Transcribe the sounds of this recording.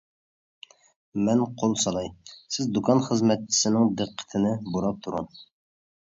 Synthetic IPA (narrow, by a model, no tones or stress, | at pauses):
mɛnqʰolˠsɑlˠɑjsɪzd̪ukʰɑnχəzmɛt̪̚t͡ʃʰi̥sɪnɪŋd̪əqʰːə̥t̪ʰɪnɪbuɾɑp̚t̪ʰuɾṵn